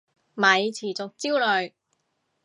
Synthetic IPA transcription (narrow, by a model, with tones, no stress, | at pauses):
mɐ˨˧jt͡sʰiː˨˩t͡so˨k̚t͡siː˥wlɵ˨ɥ